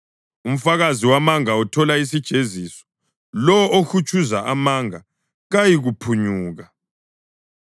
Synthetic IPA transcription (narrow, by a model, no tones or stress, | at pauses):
um̩faɣaziwamaŋautʰɔlais̬id̥ʒ̥ʱezisɔ̥ | lɔʔoxut͡ʃʰʼuzaʔamaŋa | ɣajiɣupʰuɲuːɣa